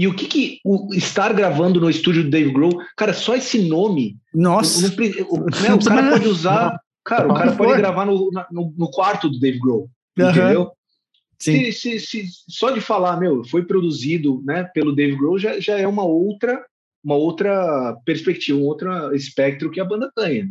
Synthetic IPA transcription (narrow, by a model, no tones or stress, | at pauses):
ɪʊkɪkɪʊɪst̪aɾɡɾavɐ̃nd̪ʊnʊɪst̪ud͡ʒʊd̪ʊd̪ejviɡɾowkaɾɐsɔesɪnõmɪnɔsnɐ̃pɾʊnɛʊkaɾɐpɔd͡ʒɪuzaɾ | kaɾɐʊkaɾɐpɔd͡ʒɪɡɾavaɾnʊnɐnʊnʊkwaɾt̪ʊd̪ʊd̪eviɡɾow̪̃ | ẽd̪ew | sɪsɪsɪsɔd͡ʒɪfalamewfojpɾod̪uzid̪ʊnɛpelʊd̪eviɡɾowʒaʒaɛũmɐowt̪ɾɐ | ũmɐowt̪ɾɐpeɾspek̚t͡ʃivɐũmɐowt̪ɾɐɪspɛk̚t̪ɾʊkɪɐbɐ̃nd̪ɐt̪ɐ̃j̃ɐ